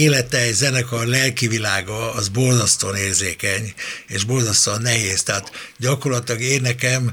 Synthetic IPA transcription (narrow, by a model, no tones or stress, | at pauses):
eːlɛt̪ɛɛzɛnɛkɒlɛlkivilaːɡɒːzbo̞lzɒst̪oːneːrzeːkɛɲeːʒbo̞lzɒst̪oːnːɛɦeːst̪ɛɦat̪ɟɒko̞rlɒt̪ilɒɡeːnːɛkɛm